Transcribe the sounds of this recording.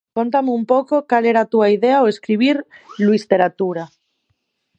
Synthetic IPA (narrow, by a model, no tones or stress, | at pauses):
kont̪ameumpokokaleɾat̪uaiðeaoeskɾiβ̞iɾluist̪e̞ɾat̪uɾa